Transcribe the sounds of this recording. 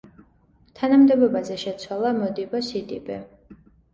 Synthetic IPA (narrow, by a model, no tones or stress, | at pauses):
t̪ʰanamd̪ɛbɔbazɛʃɛt̪sʰwalˠamɔd̪ibɔsid̪ʼḭbɛ